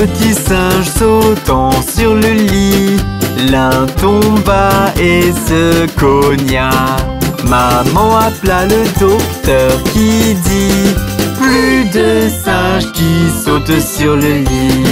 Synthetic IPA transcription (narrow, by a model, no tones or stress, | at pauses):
ət̪isɛ̃ʒsot̪ɑ̃syʁləli | lɛ̃t̪ɔ̃baesəkɔnja | mamɑ̃aplaləd̪ɔkt̪œʁkʲid̪i | plyd̪əsɛ̃ʒkʲisot̪syʁləli